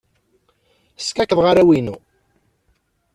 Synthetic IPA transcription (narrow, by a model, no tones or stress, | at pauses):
skækəðˤʁaɾæwinu